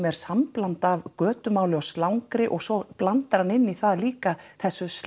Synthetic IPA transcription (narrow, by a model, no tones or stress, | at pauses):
mɛɾ̥samplant̪avkœːt̪ʏmaːwlɪɔst̪lawŋkɾɪʔɔɣsɔplant̪aɾanɪnːiθaðliːkaθɛsːʏs